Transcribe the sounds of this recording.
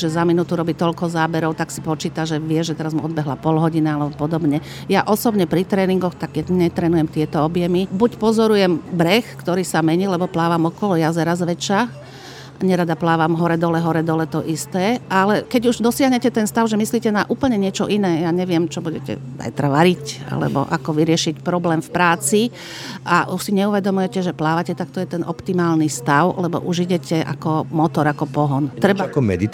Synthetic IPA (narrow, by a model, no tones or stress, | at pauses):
ʒɛzaminut̪uɾɔbiːt̪ɔʎkɔzaːbɛɾɔʊt̪aksi̥pɔt͡ʃiːt̪aʒɛʋɪɛʒɛt̪ɛɾazmuɔd̪bɛɦlapɔlɦɔɟinialɛbɔpɔd̪ɔbɲɛ | jaʔɔsɔbɲɛpɾit̪ɾɛːniŋɡɔxt̪aɡjɛɲɛt̪ɾɛːnujɛmt̪ɪɛt̪ɔɔbjɛmibucpɔzɔɾujɛmbɾɛxkt̪ɔɾiːsamɛɲiːlɛbɔplaːʋamɔkɔlɔjazɛɾazʋɛt͡ʃa | ɲɛɾad̪aplaːʋamɦɔɾɛd̪ɔlɛɦɔɾɛd̪ɔlɛt̪ɔʔist̪ɛːʔalɛkɛɟuʒd̪ɔsɪaɦɲɛcɛt̪ɛnst̪aʊʒɛmisliːcɛnaʔuːpl̩ɲɛɲɪɛt͡ʃɔʔinɛːjaɲɛʋɪɛmt͡ʃɔbuɟɛcɛ̰za̰jt̪ɾaʋaɾica̰lɛ̰bɔ̰ʔa̰kɔʋiɾɪɛʃicpɾɔblɛːmfpɾaːt͡si | ʔaʔuʃsiɲɛuʋɛd̪ɔmujɛcɛʒɛplaːʋacɛt̪ak̚t̪ɔjɛt̪ɛnʔɔ̰pt̪imaːlnist̪aʊlɛbɔ̰ʔuʒiɟɛcʰɛʔa̰kɔmɔt̪ɔɾakɔpɔɦɔnt̪ɾɛbakɔmɛd̪it̪